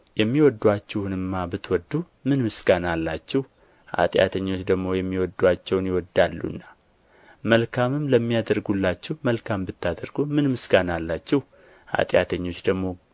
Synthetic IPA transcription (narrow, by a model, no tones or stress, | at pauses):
jɛmːiwɔd̪ːuat͡ʃːɛhnɨmːabɨt̪wɔd̪ːu | mɨnmɨsɡanalːat͡ʃːɛh | ʔa̰t̪ʼja̰t̪ʰəɲːo̞t͡ʃːd̪əɡmo̞jɛmːiwɔd̪ːuat͡ʃːɛwnjɪwɔd̪ːalːṵnːa | məlkʰamɨmləmːijad̪əɾɡulːat͡ʃːɛhməlkʰambɨt̪ʰːad̪əɾɡumɨnmɨsɡanalːat͡ʃːɛh | ha̰t̪ʼja̰t̪ʰəɲːo̞t͡ʃːd̪əɡmo̞